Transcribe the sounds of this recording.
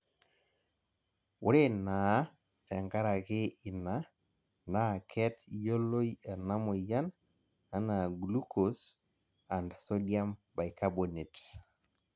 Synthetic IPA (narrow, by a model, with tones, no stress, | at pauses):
wʊ˦ɾe˦na˨˦ | tɛ˨ŋɡa˦ɾa˨kɪ˦ɪ˨na˨ | na˦˨kʰɛ˦tjo˦lo˦iɛ˨na˦mo˨ja˦n | a˨na˨ɡlu˦ko˨s | a˨ndso˦dja˦mba˨jka˦bo˨ne˨t